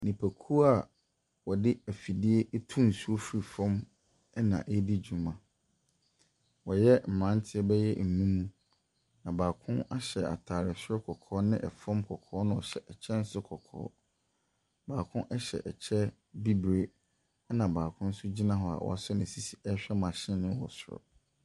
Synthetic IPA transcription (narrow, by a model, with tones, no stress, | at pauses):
nĩ˨pʰæ˨kʰu˦a˨ | wɔ˨dɪ˦æ˨fi˨dɪ˦e˦ʔtʰũ˦n̩˨su˦o˦fɾi˨fɔ̃˦m | ɛ˦nã̰˨ʔe˦di˦d͡ʑu˨mã˨ | wɔ˨jɛ˦m̩˨mã˦n˦tʰɪ˦ɛ˦bɛ˦jɛ˦m̩˨nũ˦mũ˦ | nã˨baː˨kʰʊ̃˦na˦ɕɛ˨a̰˨tʰaː˨ɾɪ˨sɔ˦kʰɔ˨kʰɔː˦nɪ̃˦ʔɛ˨fɔ̃˦mkʰɔ˨kʰɔː˨˦nʊ̃˦ɔ˨ɕɛ˨ʔɛ˨t͡ɕʰɛ˦n̩˦sʊ˦kʰɔ˨kʰɔ̰ː˨˦ | baː˨kʰʊ̃˦nʔɛ˦ɕɛ̰˨ʔɛ˨t͡ɕʰɛ˦ | bi˦bɾe˦ | ɛ˦nã˨baː˨kʰʊ̃˦n̩˦sʊ˦d͡ʑi˦nã˦ɦɔ˨a̰˨wɔ̰˨a̰˨sʊ˦nɪ̃˨si˨si̥˨ɛ˦ɕᶣɛ˦mã˨ɕɪ̃˦nʊ̃˦wɔ̰˨sʊ˨ɾɔ̰˨